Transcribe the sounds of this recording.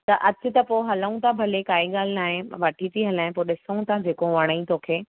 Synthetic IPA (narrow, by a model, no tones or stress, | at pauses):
t̪ɐʔɐt͡ɕɪ̆t̪ɐpoːɦɐləũt̪ʰabʱɐlekaːiɠaːl̤ɪnaːɦẽʋɐʈʰit̪ʰiɦɐlaːɦɪ̃poɗɪsəũt̪ʰãd͡ʑeːkoʋɐɽ̃əĩt̪oːkʰeː